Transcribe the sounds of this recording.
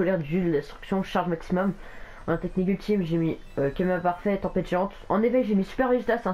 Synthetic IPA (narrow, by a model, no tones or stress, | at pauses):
ɔlɛʁd̪yd̪əlɛ̃st̪χy̥ksjɔ̃ʃaʁʒmaksimɔm | ɑ̃nɛ̃t̪ɛknik̬ylt̪ʰimʒemi | økʲamapaʁfɛt̪ɑ̃pɛt̪ʒɑ̃t̪ɑ̰̃nefɛkʒemisy̥pɛʁizt̪asɛ̃